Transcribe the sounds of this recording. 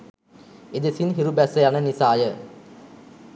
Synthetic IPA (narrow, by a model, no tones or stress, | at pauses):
ed̪esinɦiɾubæsəjanənisaːjə